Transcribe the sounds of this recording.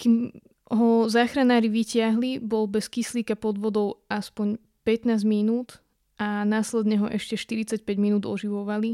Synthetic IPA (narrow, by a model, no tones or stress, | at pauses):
kim | ɦɔzaːxɾanaːɾiʋicɪaɦlibɔlbɛskisliːkapɔd̪ʋɔd̪ɔʊaspɔɲ | pɛt̪naːzɟminuːt̪ | ʔanaːslɛd̪ɲɛɦɔʔɛʃcɛʃt̪iɾit͡sac̚pɛɟminuːd̪ɔ̰ʒiʋɔʋali